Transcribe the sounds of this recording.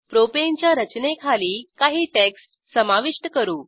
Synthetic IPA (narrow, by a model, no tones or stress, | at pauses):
pɾopeɲt͡ɕjaɾət͡ɕnekʰaliːkaɦiːʈeksʈ | səmaʋiʂʈəkəɾuː